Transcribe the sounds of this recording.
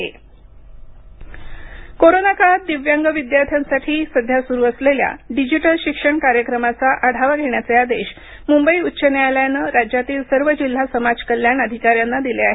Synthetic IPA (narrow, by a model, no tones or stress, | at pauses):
ḛ | koɾonakat̪̚d̪iʋjaŋɡəʋid̪jaɾt̪ʰjansaʈʰiːsəd̪ʱjasuɾuəslelja̰ɖid͡ʑiʈəlɕikʂəɳkaɾjəkɾəmat͡saʔəɽ̤ʱaʋaɡʱeɳjat͡sead̪eɕ | mumbəiːut̪ːɕənealjanəɾad͡ʑjat̪iːlsəɾʋəd͡ʑil̤ːasəmad͡zkəljaɳəd̪ʱikaɾjanːad̪ileaɦ